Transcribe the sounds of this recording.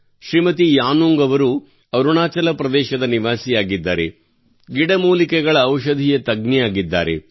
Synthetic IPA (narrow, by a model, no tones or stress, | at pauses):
ʃɾimɐt̪ijaːnuːŋɡɐʋɐɾu | ɐɾuɳaːt͡ʃɐlɐpɾɐd̪ɛːʃɐd̪ɐniʋaːsijaːɡid̪ːa̰ːɾḛ | ɡiɽɐmuːlikɛɡɐɭɐːwʃɐd̪ʱijɐt̪ɐɡnijaːɡid̪ːa̰ːɾe̞̰